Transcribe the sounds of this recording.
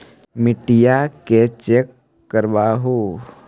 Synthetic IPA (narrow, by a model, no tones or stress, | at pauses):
mɪʈijaket͡ʃekː | əɾʋaːɦoː